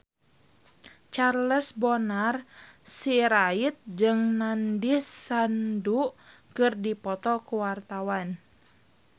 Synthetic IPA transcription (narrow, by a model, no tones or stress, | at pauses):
t͡ʃarləsbɔnarsiɾait̪̚d͡ʒɨŋnandisandu | kɨrdipɔt̪ɔkuwart̪awan